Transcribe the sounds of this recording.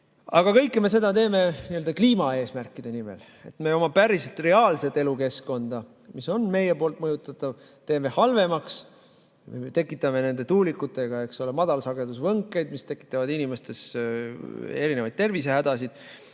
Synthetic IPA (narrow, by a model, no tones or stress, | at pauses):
ɑ̰ɡ̥ɑkɤ̞jkˑːeme̞s̬e̞d̪̥ɑt̪e̞ːme̞niøld̪ɑkliːmɑe̞ːsmærkːˑid̪̥e̞nimḛl | e̞̰t̪me̞o̞mɑpæɾiset̪ˑre̞ɑːlse̞t̪ːe̞luke̞sko̞nd̪̥ɑ | miso̞nme̞jepo̞ːlt̪mɤjut̪ːˑɑt̪ːˑɑv | t̪e̞ːme̞hɑlve̞mɑks | met̪e̞kːˑit̪ːˑɑme̞ne̞nd̪e̞t̪uːlikːˑut̪ːˑe̞ɡ̥ɑe̞ksolemɑd̪̥ɑlsɑɡ̥e̞d̪usvɤŋkːˑe̞jd̪mist̪e̞kːˑi̥t̪ːˑɑvɑd̪inime̞st̪e̞s | e̞ɾine̞vɑjd̪̚t̪e̞rvis̬ehæd̪̥ɑsid̪̥